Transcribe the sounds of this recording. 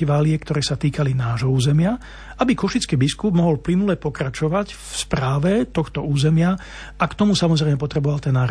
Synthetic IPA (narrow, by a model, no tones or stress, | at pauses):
iʋaːlɪɛkt̪ɔɾɛːsat̪iːkalinaːʒɦɔuːzɛmɪa | abikɔʃit͡skiːbiskub̚mɔɦɔlplinulɛpɔkɾat͡ʃɔʋacfspɾaːʋɛt̪ɔxt̪ɔuːzɛmɪa | ʔakt̪ɔmusamɔzɾɛɪmɛpɔt̪ɾɛbɔʋalt̪ɛnːaː